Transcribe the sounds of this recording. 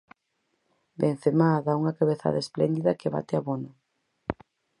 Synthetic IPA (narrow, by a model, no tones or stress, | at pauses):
ben̟θemaðauŋɐkaβeθa̰ðaesplɛ̰nd̪iðɐkeβa̰t̪ɪaβonʊ